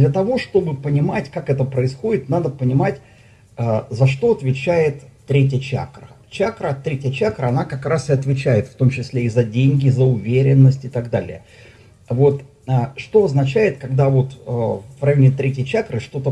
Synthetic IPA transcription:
d̪lʲət̪ɐvo̞ʂt̪o̞bɨpənʲɪmatʲkakɛt̪əpɾəɪsxo̞dʲɪt̪nad̪əpənʲɪmatʲ | əzɐʂt̪o̞ɐt̪vʲɪt͡ɕæjɪt̪ːɾʲet̬ʲjət͡ɕa̰krət͡ɕakɾət̪ɾʲetʲɪjət͡ɕakɾəɐnakɐkɾasɨɐt̪vʲɪt͡ɕæjɪt̪ft̪o̞mt͡ɕɪsʲlʲeizɐdʲenʲɡʲɪzəʊvʲeɾʲɪnːəsʲtʲɪt̪aɡd̪alʲɪ̰jə | vo̞t̪ | əʂt̪o̞ɐznɐt͡ɕæjɪt̪kɐɡd̪avo̞t̪əvrɐjonʲɪt̪ɾʲetʲjt͡ɕakɾɨʂt̪o̞t̪ə

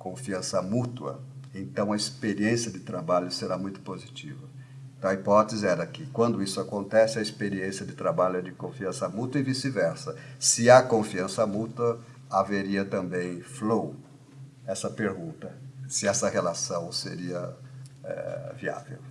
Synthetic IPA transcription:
kõfiɐ̃sɐmut̪uwɐ̰ẽnt̪ɐ̃w̃ɐespeɾiẽsiɐd̪ɪt̪ɾabaʎʊseɾamũj̃t̪ʊ̥pozit͡ʃivɐ | ẽt̪ɐ̃w̃ɐipɔt̪ezɪɛɾɐkɪkwɐ̃nd̪ʊisʊakõnt̪ɛsɪɐispeɾiẽsɪɐd̪ɪt̪ɾabaʎʊɛd͡ʒɪkõfiɐ̃sɐmut̪uwɐɪvisɪvɛɾsɐsɪɐkõfiɐ̃sɐmut̪uwɐ | aveɾiɐt̪ɐ̃mbẽj̃flow | ɛsɐpeɾɡũnt̪ɐsɪɛsɐhelasɐ̃w̃seɾiɐɛ̰via̰vḛw

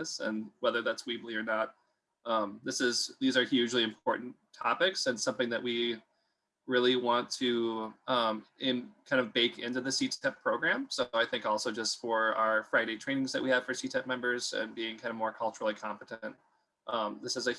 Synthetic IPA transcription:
sɨ̰̃nwɛðə˞ðætswibliə˞nət̚ | ʔʌ̃mðɪsɪzðizə˞hjʉd͡ʒliɨ̃mpʰɔɹʔn̩tʰɑpɪksɨ̃nsʌ̃mθɪ̃ŋðɨʔ̚wi | ɹɪlˠiwɑ̃ntʰɨʌ̃mɪ̃nkʰãɪ̃ndʌvbeɪkɪ̃ntʉðɨsitʰɛpʰɹ̥oʊɡɹæ̃msoʊaɪθɪ̃ŋkɔlˠsoʊd͡ʒʌstfə˞a̰ʊə˞fɹaɪɾeɪtʰɹ̥ẽɪ̃nɪ̃ŋzðɨʔwiɨv̥fə˞sitʰɛp̚mɛ̃mbə˞zɨ̰̃nbiɪ̃ŋkʰãɪ̃ndəvmɔɹkʰʌlˠt͡ʃə˞l̩ˠikʰɑ̃mpəɾɨ̃nt̚ | ʔʌ̃mðɪsɨzɨ

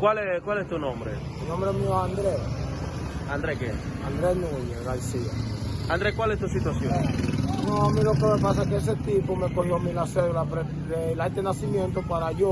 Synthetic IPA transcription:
kwalɛkwalɛt̪uonɔmbɾe | nɔ̃mbɾeɛmioand̪ɾɛ | and̪ɾɛkḛ | and̪ɾɛnuɲesɣansia̰and̪ɾɛkwalɛt̪uas̬it̪uasjonnɔamiɾokemepas̬akeɛs̬et̪ipomekolːomilasɛlapɾe | elajt̪enasimjɛnt̪opaɾajo

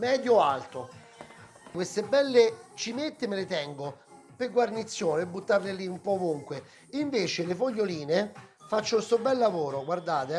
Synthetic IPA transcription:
mɛːd̪joalt̪o | kwest̪ebːɛlːet͡ʃimet̪ːemelɪt̪ɛŋɡo | peɡwarnit̪sːjoːneebːut̪ːarleliumpɔːvuŋkwe | iɱveːt͡ʃelefoʎːoliːnefat͡ʃːowest̪obɛlːavoːɾoɡward̪aːt̪e

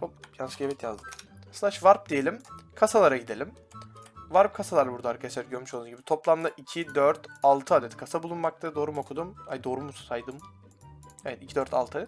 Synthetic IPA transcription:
opjansɯɡevɛt̪ʰjazd̪ɯmslˠaʃvaɾp̚d̪eje̞lʲimkʰasalˠaɾaɟid̪e̞lʲim | vaɾp̚kʰasalˠaɾabuɾd̪aaɾkʰat͡ʃʲæɾɟøɾmyʃod̪unɟibit̪ʰo̞plˠamd̪aʔicʰid̪øɾt̪alˠt̪ʰɯaːd̪ɛt̪kʰasabulˠunmak̚t̪ʰad̪o̞ːɾumo̞kʰud̪umhad̪o̞ːɾumussajd̪ɯm | evɛt̪icʰid̪øɾt̪ʰa̰lˠt̪ʰɯa

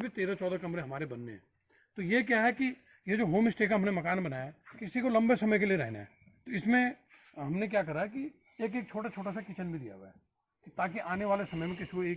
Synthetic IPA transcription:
bʱit̪eːɾat͡ʃɔːd̪akɐmɾẽɦɐmaːɾebɐnːḛɦɛ̰̃ː | t̪ojek̬jaɦɛki | jed͡ʒoːɦoːmɪsʈeːkaɦɐmnemɐkaːnbɐnaːjakɪsikolɐ̃mbesɐməjk̬elieɾɛ̰ɦna̰ɦɛ̰ | t̪oɪsmẽ | ɦɐmnekjaːkɐɾaɦɛki | eːk̬eːk̚t͡ʃʰoːʈat͡ʃʰoːʈasakit͡ʃənbʱid̪ija̰ɦṵa̰ɛ̰ː | t̪aːk̬iʔaːneʋaːlesɐməjmẽk̬ɪsikoeːk

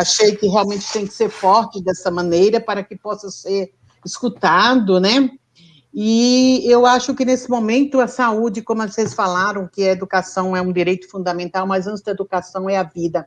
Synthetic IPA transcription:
aʃejkɪɦeawmẽnt͡ʃɪ̥t̪ẽj̃kɪ̥seɾfɔɾt͡ʃɪd̪ɛsɐmɐ̃nejɾɐpaɾɐkɪpɔsɐseɾ | ɪskut̪ad̪ʊnɛ | ɪewaʃʊkɪnesɪmõmẽnt̪ʊɐsaud͡ʒɪkõmʊɐsesfalaɾɐ̃w̃kɪɐed̪ukasɐ̃w̃ɛũd̪iɾejt̪ʊ̥fũd̪ɐmẽnt̪awmɐjzɐ̃sʊd̪ɐed̪ukasɐ̃w̃ɛɐvid̪ɐ

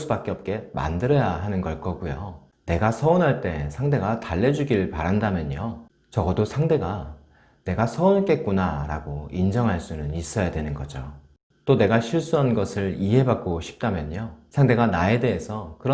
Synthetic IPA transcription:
s͈ubak͈eʌp̚k͈e̞ma̰ndɯɾʌjaɦanɯnɡʌɭk͈ʌɡujo | ne̞ɡasʰʌonɦaɭt͈e̞sʰaŋde̞ɡataɭːe̞d͡ʑuɡiɭpaɾandamjʌɲo | t͡ɕʌɡʌdosʰaŋde̞ɡa | ne̞ɡasʰʌonk͈e̞k̚k͈unaɾa̰ɡoind͡ʑʌŋɦaɭs͈unɯnis͈ʌjadwe̞nɯnɡʌd͡ʑo | t͈one̞ɡaɕʰiɭs͈uɦanɡʌsʰɯɭiɦe̞bak̚k͈oɕʰi̥p̚t͈amjʌɲosʰaŋde̞ɡanae̞de̞ɦesʰʌkɯɾʌ

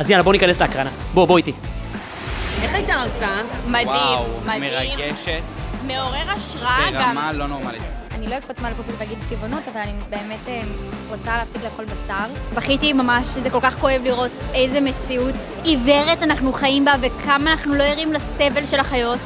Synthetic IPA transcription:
aznjanabo̞nikanesleakʁanabo̞bo̞iti | eχaitaalt͡samad̪imwmadmeʁamɡeʃetmeoʁeʁaʃʁaaamalːonoʁmalianilo̞ikpot͡smalapopilveaɡid̪̚bkivonotavalanibe̞ːme̞temʁot͡saleːfsikleːχo̞lbasaʁbaχitimamaʃzeko̞lkaχko̞e̞vliʁo̞te̞jzemet͡siut | ive̞ʁetanaχnuχajimbavekʰamaːnaχnulo̞iʁimlase̞ve̞lʃe̞laχajo̞t

